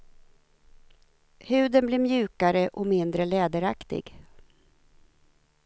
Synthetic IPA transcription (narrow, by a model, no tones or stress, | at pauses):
hʉ̟ːd̪ənblɪɾmjʉ̟ːkaɾəʔɔmɪnd̪ɾəlɛːd̪əɾakt̪ɪ̰ɡ